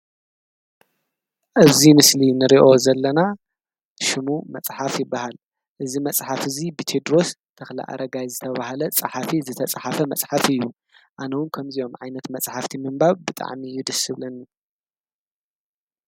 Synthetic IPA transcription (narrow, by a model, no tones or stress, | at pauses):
ʔɨzimɨslinɨɾiʔo̞zɐlːɐna | ʃɪmumɐt͡sʼħafjɪbːahal | ʔɨzimɐt͡sʼħafɨzibit̪ʰed̪ɾo̞st̪ʰɐxla̰ʔa̰ɾɐɡajzɨt̪ʰɐβahalɐt͡sʼɨħafizɨt̪ʰɐt͡sʼħafɐmɐt͡sʼħafɨjːu | ʔanɐwʊnkʰɐmzio̞mʕajnɐt̪mɐt͡sʼħaft̪ʰimɨmbaβbɨt̪ʼa̰ʕmiɨjːud̪ɐsɨβlɐnːi